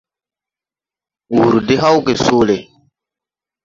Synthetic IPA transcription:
wu˨ɾu˨de˦ɦa˦wke˨soː˦le˨

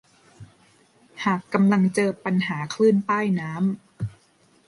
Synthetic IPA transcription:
haː˨˩kːa˧mla˧ŋt͡ɕɤː˧pa˧nɦaː˩˦kʰlɯː˥˩npaː˥˩jnaː˦˥m

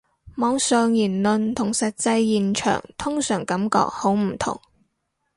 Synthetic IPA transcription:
mɔː˨˧ŋsœː˨ŋjiː˨˩nlɵ˨nt̪ʰʊ˨˩ŋsɐ˨t̚t͡sɐ˧jːiː˨nt͡ʃʰœ̰ː˨˩ŋt̪ʰʊ˥ŋsœː˨˩ŋkɐ˨˥mkɔ̰ː˧k̚ho˨˥wm̩˨˩t̪ʰʊ̰˨˩ŋ

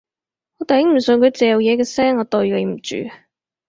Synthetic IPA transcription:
ɔː˨˧t̪ɐ˨jhɪ˨˥ŋm̩˨˩sɵ˨nkʰɵ˨˧ɥt͡sɛː˨jɐ˨wjɛː˨˧kɛː˧sɛː˥ŋɔː˨˧t̪o˨˧ɥle˨˧m̩˨˩t͡ʃy̰ː˨

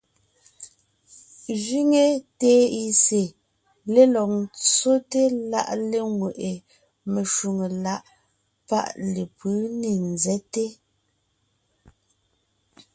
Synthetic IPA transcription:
ʒi˦ŋe˨teː˨˦i˦˨se˨ | le˦lɔ˨k̚t͡so˦te˦la̰˦ʔle˦ŋwe˨ʔe˨ | me˨ʃu˨ŋe˨la˦ʔ | pa̰˦ʔle˨pɯ˨˦ne˨n˨zɛ˦te˦

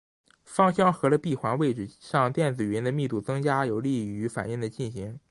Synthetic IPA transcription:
fɑ˥˧ŋɕjɑ˥ŋxɤ˧˥lə˧pi˥˩xwa˧˥nwe˥˩ɪʈ͡ʂɻ̩˥˩ɕjɑ˥˧ŋt̪jɛ˥˩nt͡sɹ̩˨˩ɥɛ˧˥nd̪ə˧mi˥˧t̪u˥˩t͡sɤ˥ŋt͡ɕja˥jo˨˩ʊli˥˩˧y˧˥fa̰˨˩ni˥˩ŋd̪ə˩t͡ɕi˥˩nɕi˧˥ŋ

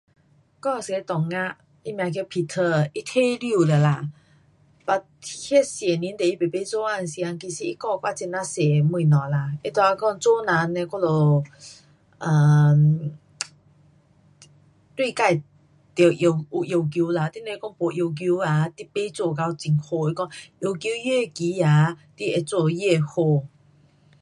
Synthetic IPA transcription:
kɔ˥˧˨se˨˦t̪ɔ˨ŋa˦˧ʔ | i˦mj̃ã˧k̬e˧pʰi˧˩t̪ʰə˧˩ʔi˦t̪ʰe˥˦˨li˧˥˧lə˨˩la˧˩ | pa˧t̪ʰi˧hɛ˥sjɛ˨˩nĩ˧˦nt̪e˨i˦˩pe˨pe˧˦t͡so˦ʔa˧˨nsi˧a˧ŋki˧˩si˧ʔi˦˥kɔ˥˧˨kwa˥˧˨t͡si˧na˧˥se˨˩mũ˧˩˨nɔ̃˨la˧˨ʔi˦t̪ɔ˧˨a˧kɔ˧ŋt͡so˦nã˨˧˦nːe˧kɔ˥˧lo˧˦ | ʔə˨˩ | t̪wi˥˧˨ka˥˧˩j | t̪e˨˩ʔjo˧˨wʔu˧ʔjo˨˧˩wk̬ju˧˦la˧t̪i˦˥˨ne˧˦kɔ˥˧˨ŋpo˨ʔjo˧˩wk̬ju˧˦a˧˦t̪i˦pe˦t͡so˧˨ka˧wt͡si˨ŋho˧ʔi˧kɔ˥˧ŋʔjo˧wkju˧˦je˥˨ki˨˦ja˨˧˦t̪i˦˧ʔe˧t͡so˧˨je˥˧˩ho˧˨

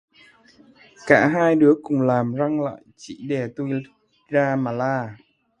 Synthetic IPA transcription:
kaː˧˩ɦaː˧jɗɨ˨˦əkʊ˨˩ŋ͡mlaː˨˩mza˧ŋla̰ː˧˨jt͡ɕḭ˧˩ɗe˧˩t̪u˧j | zaː˧maː˨˩laː˧˩

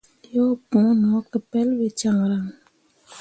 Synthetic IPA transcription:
jo˦pũ˨˦nɔ˨˦kə˨pɛ˦lwi˨t͡ʃa˨ŋɾa˨ŋ

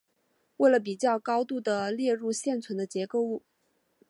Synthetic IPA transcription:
we˥˩ɪlə˩p̬i˨˩t͡ɕjɑ˥˩ʊkɑ˥ʊt̪u˥˩d̪ə˩ljɛ˥˧ɻu˥˧ɕjɛ˥˩nt͡sʰwə˧˥nd̪ə˧t͡ɕjɛ˧˥ko˥˧ʊu˥˩

